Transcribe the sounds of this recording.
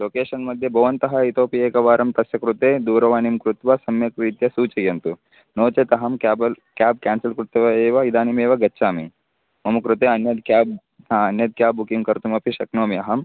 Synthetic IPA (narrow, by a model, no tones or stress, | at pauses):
loːkeːʂɐnmɐd̪ʱjɐbʱɐʋɐnt̪ɐɦɐit̪oːpieːkɐʋaːɾɐmt̪ɐsjɐkɾut̪eːd̪uːɾɐʋaːnimkɾut̪ʋɐsɐmjɐkʋiːt̪jɐsuːt͡ʃɐjɐnt̪u | noːt͡ʃɐt̪ɐɦɐmkːbɐl | kaːb̚kaːnsɐlkɾut̪ɐɐeːʋɐid̪aːnimeːʋɐɡɐtːʃʰaːmḭ | mɐmɐkɾut̪eːɐnjɐd̪kaːb̚ | aɐnjɐd̪̚kjaːbukiŋkɐɾt̪umɐpiʃɐknoːmiɐɦɐm